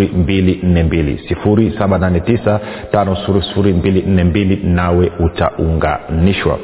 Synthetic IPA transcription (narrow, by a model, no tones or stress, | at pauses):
ɾimbilin̩nɛmbilḭsifuɾisaɓananɛtisatanɔsi̥fuɾisi̥fuɾimbilin̩nɛmbilinawɛuta̰ʔuŋɡa̰niʃwa̰